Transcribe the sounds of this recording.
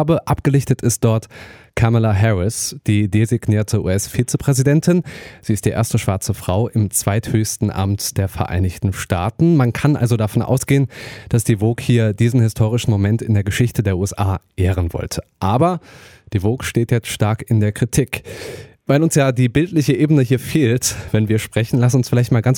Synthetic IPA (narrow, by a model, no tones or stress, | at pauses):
bəʔapɡ̥əlɪçtətʰɪst̚d̥ɔɐtkʰamalaɦɛʁɪsd̥iːdezɪɡniːɐtʰəʔṵːɛsfiːt͡səpʁ̥ɛzidɛntʰɪnz̥iːɪstd̥iːʔḛːɐstəʃv̥aɐt͡səfʁ̥aʊʔɪmt͡sv̥aɪthøːçstn̩ʔa̰mtd̥eːɐfɛɐʔa̰ɪnɪçtn̩ʃta̰ːtn̩mankʰanʔa̰lzodafɔnʔa̰ʊsɡ̥eːənd̥asd̥iːvoːkhiːɐdiːzn̩hɪstʰoːʁ̞ɪʃn̩momɛntɪndeːɐɡəʃɪçtədeːɐʔuːɛsʔaːʔeːʁ̞ənvɔ̰ltʰəʔaːbɐ | d̥iːvoːkʃteːtjɛt͡stʃtaɐkɪndeːɐkʁ̥itʰik | vaɪlʊnsjaːdiːbɪltlɪçəʔeːbənəɦiːɐfeːltvɛnviːɐʃpʁ̥ɛçn̩lasnʊnsfɪlaɪçtmaːlɡant͡s